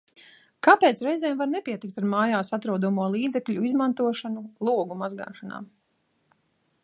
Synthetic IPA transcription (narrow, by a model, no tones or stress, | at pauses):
kapeːt̪sɾɛjzɛːmvaɾnɛpiɛt̪ik̚t̪aɾmaːjaːsat̪ɾuːd̪ɔmuɔlˠiːd̪zɛkʎʲuizmant̪uɔʃanulˠuɔɡumazɡa̰ːʃana̰ː